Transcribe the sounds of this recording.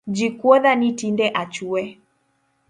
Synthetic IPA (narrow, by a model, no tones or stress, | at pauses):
d͡ʒikwɔðanitindɛʔat͡ʃuɛ